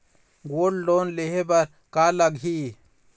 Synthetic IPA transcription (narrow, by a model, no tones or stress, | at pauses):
ɡoːɽloːnleɦebɐɾ | kalɐɡɦi